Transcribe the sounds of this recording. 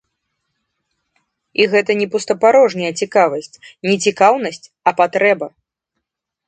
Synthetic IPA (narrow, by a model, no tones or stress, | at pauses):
iɣɛt̪ɐnʲɛpust̪ɐpaɾɔʐnʲɐjɐt͡sʲikavɐsʲt͡sʲnʲɛt͡sʲikawnɐsʲt͡sʲ | ɐpat̪ɾɛbɐ